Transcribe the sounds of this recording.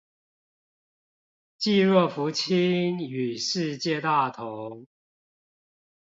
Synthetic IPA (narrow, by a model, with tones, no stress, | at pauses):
t͡ɕi˥˧ɻɔ˥˩fu˧˥t͡ɕʰi˦ny˨˩ʂɻ̩˥˧t͡ɕjɛ˥˧t̪a˥˩t̪ʰo˨˦ŋ